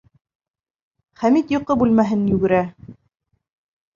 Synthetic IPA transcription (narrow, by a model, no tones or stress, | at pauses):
χæmit̪jŏqɤbʉlmæɦɘnjʉɡɘ̆ɾæ